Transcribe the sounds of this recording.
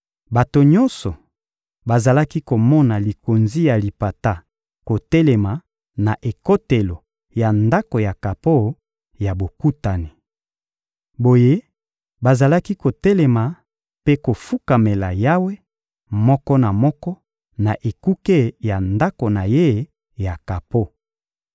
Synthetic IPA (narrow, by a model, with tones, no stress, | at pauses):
ba˨to˨ɲɔ˦nsɔ˨ | ba˨za˨la˦ki˦ko˨mɔ˦na˨li˨ko˨nzi˦ja˨li˨pa˨ta˦ | ko˨tɛ˦lɛ˨ma˨ | na˨ʔe˨ko˦te˨lo˨ | ja˨nda˦ko˨ja˨ka˨po˦ | ja˨bo˨ku˦ta˨ni˨ | bo˨je˦ | ba˨za˨la˦ki˦ko˨tɛ˦lɛ˨ma˨ | pe˦ko˨fu˦ka˨me˨la˨ja˦we˦ | mɔ˦kɔ˦na˨mɔ˦kɔ˦ | na˨ʔe˨ku˦ke˦˨ja˨nda˦ko˨na˨je˦ | ja˨ka˨po˦